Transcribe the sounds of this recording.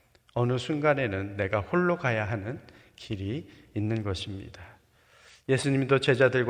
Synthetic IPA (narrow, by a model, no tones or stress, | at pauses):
ʌnɯsʰunɡane̞nɯnːe̞ɡaɸoɭːokajaɦanɯn | kʰiɾiːnːɯnɡʌɕʰimɲḭda | je̞sʰuɲimdot͡ɕe̞d͡ʑadɯɭɡ